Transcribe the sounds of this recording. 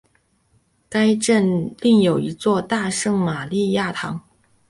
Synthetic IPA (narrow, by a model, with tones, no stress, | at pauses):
ka˥ɪʈ͡ʂə˥˧nli˥˩ŋjo˨˩ʊi˧˥t͡swɔ˥˧t̪a˥˧ʂɤ˥˩ŋma˨˩li˥˧ja˥˩t̪ʰɑ˧˥ŋ